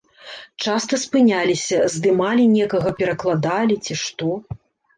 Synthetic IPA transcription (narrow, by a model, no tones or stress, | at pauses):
t͡ʂast̪ɐspɨnʲalʲisʲɐzd̪ɨmalʲinʲɛkɐɣɐpʲɛɾɐklˠad̪alʲit͡sʲiʂt̪ɔ